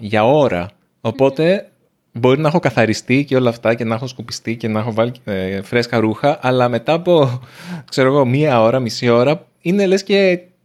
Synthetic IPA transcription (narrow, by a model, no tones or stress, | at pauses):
ʝɐo̞ɾɐ̰ | opo̞t̪e̞ | bo̞ɾinɐɐxo̞kɐθɐɾist̪iceo̞lɐːft̪ɐce̞nɐxo̞skopi̥st̪ice̞nɐxo̞vɐliefɾe̞skɐɾuxɐʔɐlɐme̞t̪ɐːpo̞kse̞ɾo̞ɣo̞miɐo̞ɾɐmisio̞ɾɐ | inelesce̞